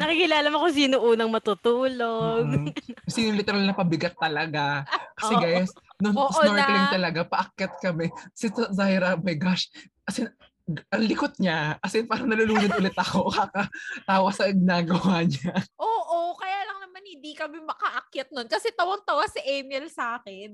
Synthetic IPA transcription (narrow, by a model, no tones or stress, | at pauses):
nɐkikɪlaːlɐmɐkos̬iːnoʔuːnɐŋmɐt̪ut̪uːloɡsiːnoŋlɪt̪ɛɾalnɐpɐbɪɡɐt̪̚t̪ɐlɐɡakɐsɛɡajsnoŋoːʔnoɹlɪŋt̪ɐlɐɡapɐʔɐkjɐt̪̚kɐmɛɐsɛsɐzahɾɐmɐjɡaʃ | kɐsɛ | ʔɐŋlɪkot̪̚ɲaʔɐsɛnpaːɾɐŋnɐlʊluːlɪnʔʊlɛt̪ɐko̞kaːkɐt̪aːwɐsɐŋɡɪnaːɡɐwaːɲaʔoːʔokɐjaːlɐŋnɐmanhɪnd̪ikɐmɛmɐkɐʔɐkjɐt̪̚nonkɐsɛt̪ɐwɐŋt̪ɐwasɪʔɛmɛlsaːkɛn